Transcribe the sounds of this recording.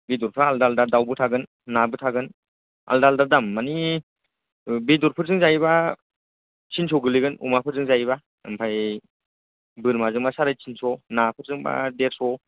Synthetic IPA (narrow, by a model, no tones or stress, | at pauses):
bidɔɾpʰɾaaldaldaɾdawbɯtʰaɡɯnː | abɯtʰaɡɯn | a̰ldaldaɾdamːani | bidɔɾpʰɯɾzɯŋzajiba | t͡ʃʰinsʰɔɡɯliɡɯnṵmapʰɯɾzɯŋzaiba | ɯ̰mpʰaj | bɯɾmazɯŋbasaɾajt͡ʃʰinsɔnapʰɯɾzɯŋba̰deɾsɔ